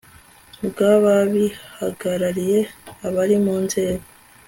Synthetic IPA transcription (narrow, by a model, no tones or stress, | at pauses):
bɡaβaβihaɡaɾaɾije̞aβaɾimuːnze̞ːɡo